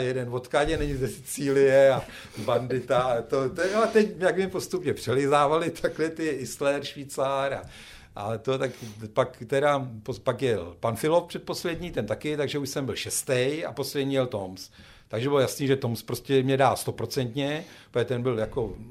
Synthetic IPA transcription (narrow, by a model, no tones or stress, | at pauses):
jɛdɛnvo̞t̪kaɟɛnɛɲɪzɛst͡siːlɪjɛa | bandɪt̪at̪ot̪ojoat̪ɛcmjakmɲɛpo̞st̪upɲɛpr̥ɛlɪzaːvalɪt̪ʰaklɛt̪ɪɪslɛɾʃviːt͡saɾa | ʔa̰t̪o̞t̪akpakt̪ɛɾapopakjɛlpanfɪlofpr̥ɛt̪̚po̞slɛd̪ɲiːt̪ɛnt̪akɪt̪aɡʒɛuʃsɛmbɪlʃɛst̪ɛja̰po̞slɛdɲijɛlt̪o̞ms | t̪aɡʒɛbɪlojasniːʒɛt̪o̞mspɾoscʲɛmɲɛdaːlst̪o̞pɾo̞t͡sɛnt̪ɲɛ | poɛt̪ɛnbɪljako̞